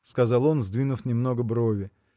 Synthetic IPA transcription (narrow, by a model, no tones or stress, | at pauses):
skɐzɑlˠo̞nzd̪vʲinʊfnʲɪmno̞ɡəbɾovʲɪ